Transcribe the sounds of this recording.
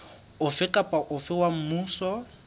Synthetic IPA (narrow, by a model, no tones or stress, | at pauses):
ʊfɪkʼapʼaʔʊfɪwam̩muːsɔ